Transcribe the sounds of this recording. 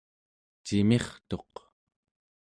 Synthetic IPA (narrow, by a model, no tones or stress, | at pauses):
t͡ʃimeχt̪o̞q